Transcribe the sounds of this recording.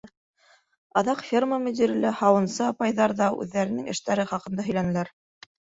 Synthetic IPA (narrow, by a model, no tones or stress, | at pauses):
ɑðɑqfʲirməmɵ̆d̪ʲiɾʲilɘhɑwɤ̆nsɤɑpɑjðɑɾðɑʉ̰ðːæɾɘ̆nɘŋɘ̆ʃt̪æɾɘχɑqɤ̆nd̪ɑɦɵjlænɘ̆læɾ